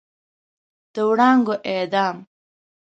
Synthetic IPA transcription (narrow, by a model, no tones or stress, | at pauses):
d̪̥əwɽɑŋɡoʔed̪ɑːm